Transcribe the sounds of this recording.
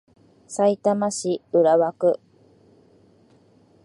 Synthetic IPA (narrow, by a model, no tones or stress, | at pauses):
sait̪amaɕiɯɾaβakɯ̟